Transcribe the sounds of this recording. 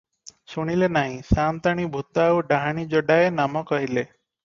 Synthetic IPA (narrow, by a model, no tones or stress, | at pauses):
suɽ̃ilenaɦĩsamt̪aɽ̃ibʱut̪awɖaɦaɽ̃id͡ʒɔɖaenamɔkɔɦile